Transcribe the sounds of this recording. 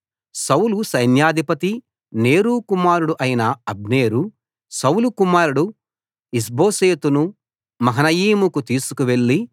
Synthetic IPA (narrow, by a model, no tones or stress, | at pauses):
sɐwlusɐjnjaːd̪ʱipɐt̪i | ne̞ːɾuːkumaːɾuɽuʔɐjinɐɐbneːɾu | sɐwlukumaːɾuɽu | is̬bo̞ːseːt̪unu | mɐɦɐnɐjiːmukut̪iːsukuʋe̞ɭːi